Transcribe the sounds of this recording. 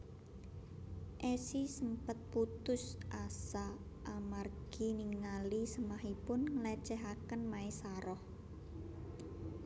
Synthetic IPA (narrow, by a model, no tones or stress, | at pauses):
ʔɛsisəmpət̪̚put̪ʊsʔasa | ʔːmarɡ̥iniŋnalisəmaɦipʊnŋəlɛt͡ʃɛɦakənmaesaɾɔh